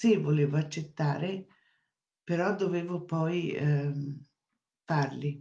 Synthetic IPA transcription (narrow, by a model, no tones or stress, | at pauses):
sivoleːvoat͡ʃːet̪ːaːɾe | peɾɔd̪ːoveːvʊpɔj | farli